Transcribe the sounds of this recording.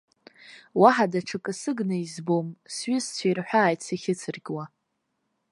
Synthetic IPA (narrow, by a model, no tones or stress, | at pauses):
waħadaʈ͡ʂʰɨkʼɨsɨɡnɨizbomsɥist͡sʷʰajrħʷᶣaːjtʰʼsaχʲɪt͡sʰɨrɡʲwa